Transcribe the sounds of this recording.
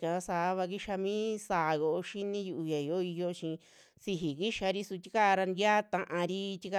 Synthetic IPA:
kã˨˧sa˨˧˦βa˧ki˦ʃa˧mĩː˦saː˨jo˧o˧ʃi˦nĩ˦ju˧ʔu˧ja˨i˨o˦i˧jo˧˦t͡ʃĩ˧ | si˧ɦi˨ki˦ʃa˧ɾi˦su˧t̪i˦ka˦˧ɾa˧nd̪ja˦t̪ã˧ʔã˧ɾi˦˧t̪ʲi˦ka˧

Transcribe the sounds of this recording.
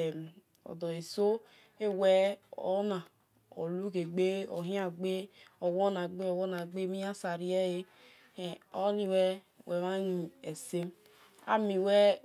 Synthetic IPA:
ɔ̰˨dɔ˨e˨so˦ | e˦wɛ˦o̰˦na˨ | o̰˨lu˦ke˨ɡ͡be˦o˨ɦĩ˦a˦ɡ͡be˦o˨wo˦na˨ɡ͡be˦o˨wo˦na˨ɡ͡be˦mi˦a˦sa˨ɾi˦ɛ˦je˦ | e˨o˦li˨wɛ˦ | we˨ma˦i˨e˨se˦m | a̰˦mi˨wɛ˦

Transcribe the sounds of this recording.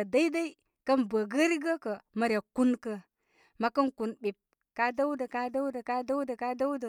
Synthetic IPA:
ə˨da˦i˦da˦i˦ | kə˦nbə˨ɡə˦ɾi˦ɡə˦kə˨ma˨ɾʲa˨ku˦nkə˨ | ma˨kə˦nku˨nbi˨p̚ | ka˦da˦wdə˨ka˦da˦wdə˨ka˦da˦wdə˨ka˦da˦wdə˨

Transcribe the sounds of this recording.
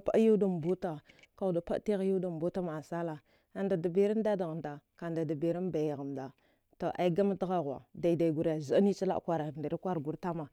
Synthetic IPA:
pa̰˦ju˦da˨m˨bu˦ta˨ka˨u˨da˨pa̰˦ti˦ɣju˦da˨m˨bu˦ta˦ma˨sa˦la˨ | a˨nda˨da˨bi˦ɾa˦n˦da˦da˨ɣa˨mda˨ka˨nda˨da˨bi˨ɾi˦n˦ba˨jɣa˨mda˨ | ta˨ʔa̰˨˦i˦ɡa˦ma˦ta˦ɣa˦ɣa̰˨da˨i˨da˨i˨ɡu˨ɾja˨za˨˦ni˦t͡ʃi˦la̰˦ʔkʷa˦ɾa˨nda˨ɾi˦kʷa˦ɾɡu˨ɾta˦ma˨

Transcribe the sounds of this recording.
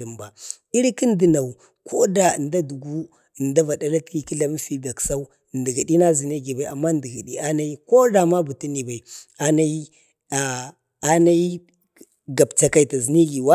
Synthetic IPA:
i˨mba˨ | i˦ɾki˦n˦di˦na˨u˨ | kʰo˦da˨nda˦du˨ɡu˦˨ | nda˦va˨da˦la˦tki˦ki˦la˨m˦fi˦ba˨ksa˦u˦˨ndi˨ɡi˨di˦na˦zi˨ni˦ɡi˨ba˨i˨a̰˨mːa˦ndi˨ɡi˨di˨a˦na˦i˦ko˦da˨ma˦bu˨ti˦ni˨ba˨i˨a˦na˦i˦ | a˨ | a˦na˦i˦ | ɡa˨bt͡ʃa˨ka˨i˨ta˨zi˨ni˦ɡi˨wa˦

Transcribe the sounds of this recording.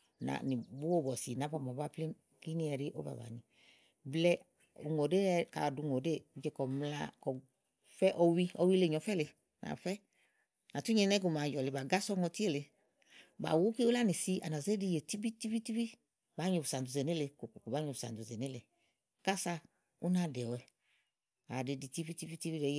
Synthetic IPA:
na̰˨ni˨bu˦o˦˨bɔ˨si˨na˨˦bɔ˧˨m˨ɔ˨ba˦˧ple˦ | ki˦ni˦ɛ˨ɾɪ˦ʔo̰˦ba̰˨ba̰˨ni˨ | blɛ˦ | u˨ŋo˨de˦ɛ˨ka̰˨du˧˨ŋo˨de˦˨˦d͡ʒɛ˧kɔ˨mla̰˧˦kɔ˨ | fɛ˦ʔɔ˧wi˦ɔ˧wi˦le˨ɲɔ˨fɛ˦le˧ | na̰˨fɛ˦ | na˨tu˦ɲɛ˧nɛ˦ɡu˧˨ma˨jɔ˨le˨ba˨ɡa˦sɔ˦ŋɔ˧ti˦e˦˨le˨˧ | ba̰˨wu˦ki˦u˦la˦ni˨si˧a̰˨na˨ze˦di˧˨je˨ti˦bi˦ti˦bi˦ti˦bi˦ | ba˨˦ɲo˧bu˨sa˨n˨u˨ze˨ne˦le˧ko˨ko˨ko˨ba˨˦ɲo˧˨bu˨sa̰˨n˨du˨zɛ˨ne˦le˨ | ka˦sa˧ | u˦na˧dɛ˨ɔ˨ɛ˧ | a˨de˧di˧ti˦bi˦ti˦bi˦ti˦bi˦ɛ˨˦j

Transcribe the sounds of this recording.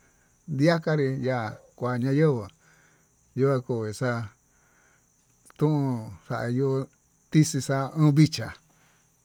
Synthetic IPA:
d̪i˦a˦ka˦ɾi˧ja˧˨kʷa˨ɲã˧jə˦βə˨ | ju˧a˧ko˧˨i˨sa˧ | t̪ũ˦ʔũ˧ʂa̰˧ʔa˧ju˧ | t̪i˦si˧sa˧ɨ̃ː˦βi˦t͡ʃa˨

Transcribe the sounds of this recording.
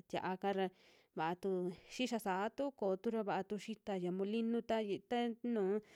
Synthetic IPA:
t̪ja̰˨ʔa˧ka˦ɾa˧ | βa˨ʔa˧t̪u˧ʃi˦ʃa˧sa˨˦t̪u˦koː˨˦t̪u˦ɾa˧βa˧ʔa˧t̪u˧ʃi˦t̪a˧ja˨mũ˧li˦nũ˦t̪a˦˧t̪a˦nũː˨˦

